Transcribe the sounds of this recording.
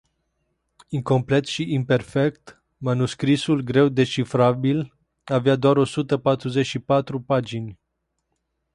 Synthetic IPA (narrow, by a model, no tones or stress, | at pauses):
iŋko̞mple̞t̪ʃiʔimpe̞rfe̞kt̪ | manuskɾisulɡɾe̞wd̪e̞t͡ʃifɾabil | avead̪oaɾo̞sut̪əpat̪ɾuze̞ʃipat̪ɾupad͡ʒinʲ